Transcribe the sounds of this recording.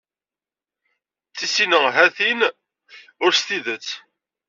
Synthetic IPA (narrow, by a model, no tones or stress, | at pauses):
t͡sːisinəɦæθin | ʊɾst̪iðət͡sː